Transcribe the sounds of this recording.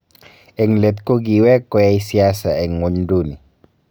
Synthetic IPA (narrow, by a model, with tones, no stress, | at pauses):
e˨ŋle˨t̪̚ko˦ɡi˨wɛ˦kɔ˦ja˦i˦si˦a˦sa˨e˨ŋwo˨ɲdu˦˨ni˨